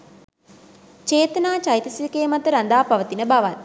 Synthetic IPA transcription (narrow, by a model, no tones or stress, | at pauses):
t͡ʃeːt̪ənaːt͡ʃajt̪əsiʋikeːmat̪əɾand̪aːpaʋət̪inəbaʋat̪